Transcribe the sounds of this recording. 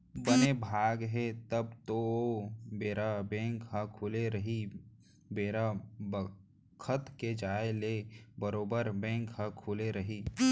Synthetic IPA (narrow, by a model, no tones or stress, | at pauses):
bənebʱaːɡɦɛt̪əbt̪oobeːɾabɛ̃ːŋkɦə̃kʰuleɾəɦi | beːɾabə | kʰət̪ked͡ʒaːelebəɾoːbəɾbɛ̃ːŋkɦə̃kʰʊleɾɐɦi